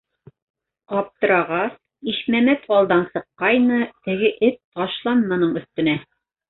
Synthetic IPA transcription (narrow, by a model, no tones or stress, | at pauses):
qɑp̚t̪ɤ̆ɾɑʁɑs | iʃmæmæt̪ɑlˠd̪ɑnsɤ̆qːɑjnɤt̪ɘ̆ɡɘʔɘt̪̚t̪ɑʃlˠɑnmɑnɤɴɵ̆θt̪ɵ̆næ